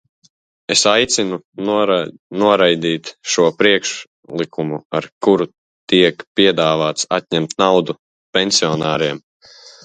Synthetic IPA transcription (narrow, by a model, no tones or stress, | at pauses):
esajt̪sinu | nuɔɾajd̪iːt̪ʃuɔpɾiɛkʃ | lˠikumua̰ɾkuɾu | t̪iɛkpiɛd̪aːvaːt̪sa̰t̪̚ɲɛmt̪nawd̪u | penʲsiɔnaːɾiɛm